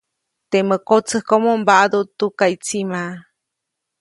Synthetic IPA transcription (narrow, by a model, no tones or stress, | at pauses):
t̪eməkot͡sɨhkomombaʔad̪ot̪ukajt͡sima